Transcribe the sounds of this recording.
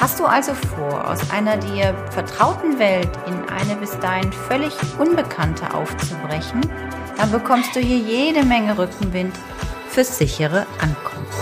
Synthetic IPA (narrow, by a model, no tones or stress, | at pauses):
hastd̥uːʔalzofoːɐʔa̰ʊsʔa̰ɪnɐdiːɐfɛɐtʁ̥aʊtn̩vɛltɪnʔa̰ɪnəbɪsd̥aːhɪnfœlɪçʔʊnbəkʰantʰə̰ʔa̰ʊft͡subʁɛçn̩ | d̥anbəkʰɔmst̚d̥uːhiːɐjeːdəmɛŋəʁʏkŋ̩vɪnt | fyːɐsz̥ɪçəʁəʔankʰɔmft